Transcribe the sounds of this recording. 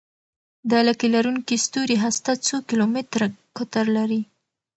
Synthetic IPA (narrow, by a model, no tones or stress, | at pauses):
d̪əlakilaɾuŋkist̪oɾiɦast̪at͡sokilomɪt̪ɾakʊt̪aɾlaɾi